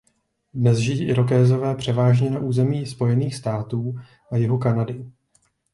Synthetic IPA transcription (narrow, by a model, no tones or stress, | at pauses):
dnɛzʒɪiːʔɪɾo̞k̬ɛːzo̞vɛːpr̝̥ɛvaːʒɲɛnaʔuːzɛmiːspo̞jɛniːxst̪aːt̪uː | ʔajɪɦokanadɪ